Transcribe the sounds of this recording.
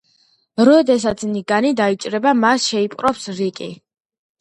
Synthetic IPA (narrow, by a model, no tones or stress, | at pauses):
ɾɔd̪ɛsat̪sʰniɡanid̪ait͡ʃʼɾɛbamasʃɛipʼɾɔpsɾikʼi